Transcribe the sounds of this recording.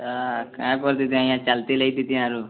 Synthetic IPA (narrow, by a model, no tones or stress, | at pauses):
akãːkɐɾt̪̬it̪iajãt͡ʃɐlt̪ilejt̪it̪iãɾu